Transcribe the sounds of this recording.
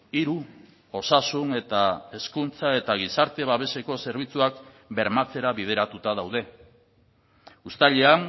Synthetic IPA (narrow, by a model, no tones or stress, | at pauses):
iɾu | o̞sasune̞t̪ae̞skunt͡sae̞t̪aɣ̞isaɾt̪e̞βaβe̞se̞ko̞se̞ɾβ̞it͡suak | be̞ɾmat͡se̞ɾaβið̞e̞ɾat̪ut̪að̞awð̞e̞ | ust̪aʎean